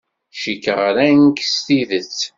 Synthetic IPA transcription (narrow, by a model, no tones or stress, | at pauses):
ʃikəʁɾænkst̪iðət͡sː